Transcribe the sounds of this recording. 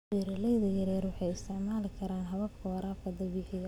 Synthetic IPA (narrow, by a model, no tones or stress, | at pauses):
iɾɪlɛjðɐjɐɾɛːrwɑħɑjɪst̪ʰɪʕmaːlɪkʰɐɾaːnɦɐβɐb̚kʰɐwɐɾaːbkʰɐd̪ɐbɪħɪj